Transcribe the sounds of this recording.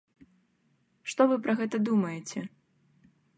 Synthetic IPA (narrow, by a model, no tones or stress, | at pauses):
ʂt̪ɔvɨpɾʔɐɣɛt̪ɐd̪umɐjɛt͡sʲɛ